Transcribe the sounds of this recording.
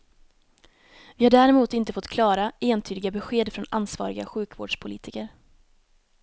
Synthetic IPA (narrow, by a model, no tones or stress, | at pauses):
vɪhaɖæːɾɛmuːt̪ɪnt̪əfɔt̪ːkʰlɑːɾaeːnt̪ʰyːd̪ɪɡabɛɧeːd̪fɾɔnansvɑ̰ːɾɪɡa̰ɧʉ̟ːkvo̰ːɖʂpʰʊlḭːt̪ʰɪkəɾ